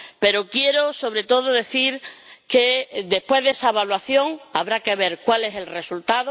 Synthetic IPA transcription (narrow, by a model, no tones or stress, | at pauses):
pe̞ɾo̞kje̞ɾoso̞βɾe̞t̪o̞ð̞oðe̞θiɾked̪e̞hpweɦðesaeβalwaθjo̞ŋaβɾake̞β̞e̞ɾkwale̞se̞lre̞sult̪aðo